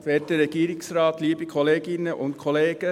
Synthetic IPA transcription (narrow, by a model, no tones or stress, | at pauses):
fɛːt̚dəɾɛɡ̥iːɾɪksɾɑːt̪liːbikʰɔleːɡɪnəʔʊ̰ntkʰɔleːɡ̥ə